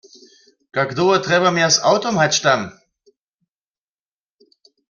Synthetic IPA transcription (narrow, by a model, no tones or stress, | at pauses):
kakd̪oːɐtʁɛvɐmɛːɐsa̰ʊtomhatʃtam